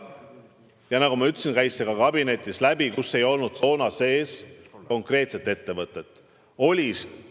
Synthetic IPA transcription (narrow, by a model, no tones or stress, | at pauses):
jɑnɑɡ̥umɑyt̪ːˑsinkæjsːe̞ɡ̥ɑkɑbine̞t̪ʲːˑislæbikusːe̞jo̞lnud̪̥so̞ːnɑse̞ːsko̞ŋkre̞ːt̪se̞t̪ːˑe̞t̪ːe̞vɤt̪ːˑe̞t̪ːˑ | o̞lʲis